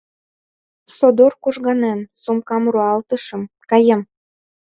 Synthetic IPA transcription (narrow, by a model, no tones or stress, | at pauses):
sod̪orkuʒɣɑnensumkɑmruɑlt̪əʃɤ̆m | kɑjəm